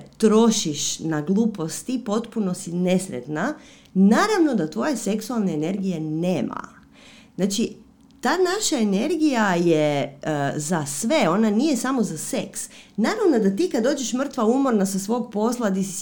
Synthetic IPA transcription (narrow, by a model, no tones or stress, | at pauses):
t̪ɾo̞ʃiʃnaɡlˠuːpo̞st̪ipo̞t̪puno̞sine̞sɾḛt̪na | naːɾaʋno̞d̪at̪ʋo̞jese̞ksualˠneːne̞ɾɡije̞neːma̰ | znat͡ʃi | t̪aːnaʃaene̞ɾɡijaje | zasʋe̞o̞nanijesamo̞zaseksnaːɾaʋno̞d̪at̪iːkad̪oːd͡ʒeʃmr̩t̪ʋaumoɾnasasʋo̞ɡpo̞slˠad̪isi